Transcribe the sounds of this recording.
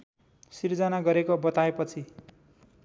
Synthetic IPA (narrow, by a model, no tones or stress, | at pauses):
sird͡zʌnaɡʌɾekobʌt̪aepʌt͡sʰi